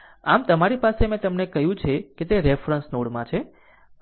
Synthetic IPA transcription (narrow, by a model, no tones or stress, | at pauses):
amt̪əmaɾipasemẽt̪əmnekəɦjũt͡ʃʰeket̪eɾefɾənsnoɽmãt͡ʃʰe